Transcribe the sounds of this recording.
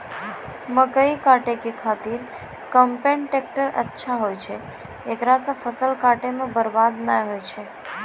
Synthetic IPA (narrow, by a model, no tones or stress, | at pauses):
məkəikaʈekikʰat̪iɾ | kəmpeɳʈek̚ʈəɾə̰tːʃʰaɦojt͡ʃʰe | ekɾasafəsəlkaʈemãbəɾbad̪najɦojt͡ʃʰe